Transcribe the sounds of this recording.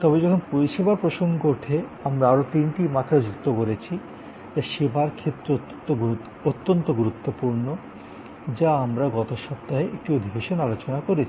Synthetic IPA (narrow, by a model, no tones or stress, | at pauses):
t̪ɔbed͡ʑɔkʰonpoɾiʃebaɾpɾoʃoŋɡoʈʰeamɾaaɾot̪inʈimat̪ːɾad͡ʑuk̚t̪okoɾet͡ɕʰi | t̪aʃebʱaɾkʰet̪ːɾo | t̪oɡ | ot̪ːont̪oɡuɾut̪ːopuɾno | d͡ʑaamɾaɡɔt̪oʃɔp̚t̪aɦeʔek̚ʈiod̪ʱibeʃonalot͡ɕonakoɾet͡ɕʰi